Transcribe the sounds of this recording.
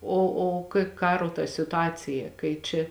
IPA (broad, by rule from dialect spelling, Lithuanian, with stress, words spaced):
ˈoː oː kɐɪ ˈkɑːroː tɐ sʲɪtʊˈɑːt͡sʲɪjɛ kɐɪ ˈt͡ʃʲɛ